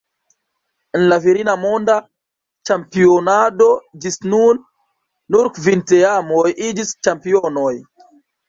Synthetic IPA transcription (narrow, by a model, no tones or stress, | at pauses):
enlaviɾinamo̞nda | t͡ʃampionado̞d͡ʒisnunː | uɾkvinteamojʔid͡ʒist͡ʃampio̞no̞j